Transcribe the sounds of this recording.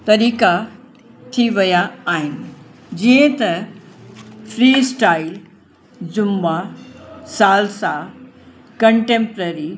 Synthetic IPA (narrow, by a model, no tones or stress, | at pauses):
t̪ɐɾiːka | t̪ʰiʋɐjaːɦɪnɪ̆ | d͡ʑiə̃t̪ɐ | fɾiːsʈaːɪl | d͡ʑʊmːa | saːlsã | kɐ̃ɳʈẽːmpɾəɾi